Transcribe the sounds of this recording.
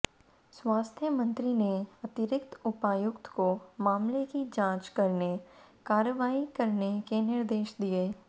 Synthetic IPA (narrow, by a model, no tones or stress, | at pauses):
swaːst̪ʰjəmə̃nt̪ɾineɐt̪ɪɾɪkt̪ʊpaːjʊkt̪komãːmlekid͡ʒãːt͡ʃkɐɾnekaːɾəʋaːikɐɾnekenɪɾd̪eːʃd̪ieː